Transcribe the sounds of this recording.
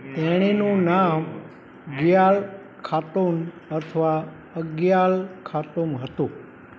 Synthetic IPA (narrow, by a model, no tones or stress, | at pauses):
t̪ɛɽ̃enũnam | ɡjal | kʰat̪on | ət̪ʰʋa | əɡjalkʰat̪omɦət̪ũ